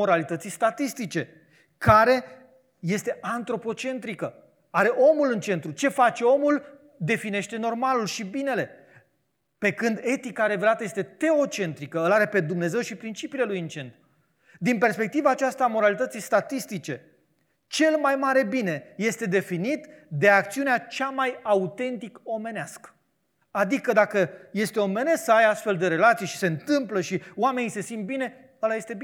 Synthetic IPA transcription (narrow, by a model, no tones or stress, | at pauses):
o̞ɾalit̪ət̪sijst̪at̪ist̪it͡ʃe̞ | kaɾe̞ | je̞st̪e̞ant̪ɾo̞po̞t͡ʃe̞nt̪ɾikə | aɾe̞ʔo̞mulɨnt͡ʃe̞nt̪ɾut͡ʃe̞fat͡ʃe̞o̞mul | d̪e̞fine̞ʃt̪e̞no̞rmalulʃibine̞le̞ | pe̞kɨnd̪e̞t̪ikaɾe̞ve̞lat̪əjest̪e̞t̪e̞o̞t͡ʃe̞nt̪ɾikəəlaɾe̞pe̞d̪umne̞ze̞wʃipɾint͡ʃipiːle̞lujɨnt͡ʃe̞nt̪ɾu | d̪inpe̞rspe̞k̚t̪ivaːt͡ʃast̪aːmo̞ɾalit̪ət̪sist̪at̪ist̪it͡ʃe̞ | t͡ʃe̞lmajmaɾe̞bine̞je̞st̪e̞d̪e̞finit̪d̪e̞ak̚t̪siuneat͡ʃamajaut̪e̞nt̪iko̞me̞neaskə̥ | ad̪ikəd̪akəje̞st̪e̞o̞me̞ne̞sksajast̪fe̞ld̪e̞ɾe̞lat̪sijʃi̥se̞ɨnt̪ɨmpləʃioame̞nise̞sint̪̚bine̞ | əlaje̞st̪e̞bi